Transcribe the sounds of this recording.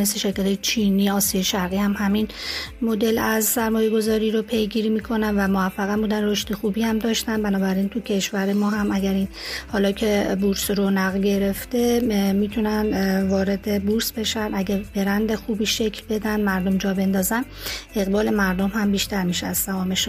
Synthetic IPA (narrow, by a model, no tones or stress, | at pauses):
mesleʃe̞ɾkʰæt̪ʰɒjet͡ʃʰiːniːɒːsijɒjeʃæɾɣiːhæmhæminmo̞d̪e̞læzsæɾmɒːje̞ɡo̞zɒːɾiːɾopʰe̞jɡiːɾiːmiːkʰo̞nænvæmoæfːæɣæmbuːd̪ænro̞ʃt̪exuːbiːhæmd̪ɒːʃt̪ænbænɒːbæɾint̪ʰucʰe̞ʃvæɾe̞mɒːɦæmæɟæɾiːnhɒːlɒːcʰe̞buɾsɾonæɣlɟe̞ɾe̞ft̪e̞miːt̪ʰunænvɒːɾe̞d̪ebuɾsbe̞ʃænæɟæbe̞ɾænd̪e̞xuːbiːʃe̞cʰlbe̞d̪ænd̪mæɾd̪o̞md͡ʒɒːbe̞nd̪ɒːzæn | e̞ɣbɒːle̞mæɾd̪o̞mhæmbiːʃt̪æɾmiʃeæz̥sæmɒːmeʃ